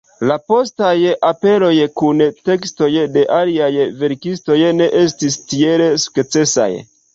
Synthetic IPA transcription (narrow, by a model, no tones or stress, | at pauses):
lapo̞stajape̞lo̞jkunte̞ksto̞jde̞ʔaliajve̞ɾkisto̞jne̞ʔe̞stistie̞le̞su̥kt͡se̞sa̰j